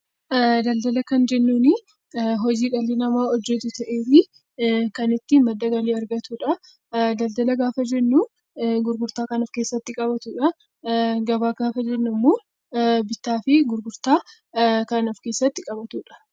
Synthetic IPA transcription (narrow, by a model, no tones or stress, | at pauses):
d̪ɐld̪ɐlɐkɐnd͡ʒɛnːuːnɪ | ɦɔd͡ʒiːᶑɐlinɐmaːɔd͡ʒːɛt̪ʊt̪ɐʔeːfɪ | kɐnɪt̪ːɪmɐd̪ːɐɡɐliːɐɾɡɐt̪uːᶑɐ | d̪ɐld̪ɐlɐɡaːfɐd͡ʒɛnːu | ɡʊɾɡʊɾt̪aːkɐnɔfke̞ːsːɐt̪ːɪkʼɐbɐt̪uːᶑɐ | ɡɐbaːɡaːfɐd͡ʒɛnːʊmːoː | bɪt̪ːaːfɪɡʊɾɡʊɾt̪aː | kɐnɔfke̞ːsːɐt̪ːɪkʼɐbɐt̪uːᶑɐ̥